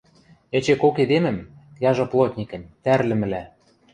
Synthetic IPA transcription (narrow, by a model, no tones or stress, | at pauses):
ĕt͡ɕekoked̪emɘ̆mkjɑʒɤ̆plˠot̪ʲnʲikə̆nt̪ærlɘ̆mɘ̆læ